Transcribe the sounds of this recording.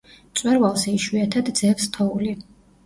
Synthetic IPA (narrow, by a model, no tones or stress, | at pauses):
t̪sʼwɛɾvalˠsɛiʃwiat̪ʰad̪d̪z̥ɛpst̪ʰɔuli